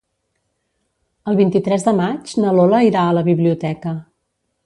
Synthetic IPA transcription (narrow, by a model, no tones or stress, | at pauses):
əlˠβint̪it̪ɾɛzd̪əmad͡ʒnəloləiɾaələβiβliut̪ɛkə